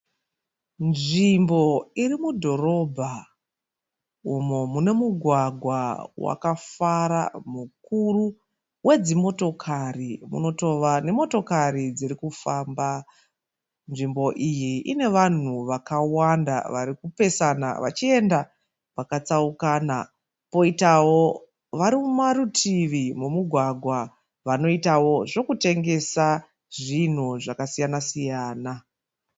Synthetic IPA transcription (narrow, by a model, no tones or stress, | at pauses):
nʐimbo̞irimudʱo̞ro̞bʱa | umomune̞muɡʱwaɡʱwawa̰kafaɾa̰mukuru | we̞d͡zimo̞to̞kʰarimṵno̞toʋane̞mo̞to̞kaɾid͡ziɾikufaːmba | nʐimbo̞ʔijiʔine̞ʋan̤uʋakawanda̰ʋaɾikupe̞sana̰ʋa̰t͡ʃie̞nda | ʋakat͡saukaːna | po̞itawo̞ | ʋaɾimumaɾutʰiʋimumuɡʱwaɡʱwa | ʋano̞itawo̞ʐo̞kute̞ŋɡe̞sa | ʐin̤uʐakasijanasijaːna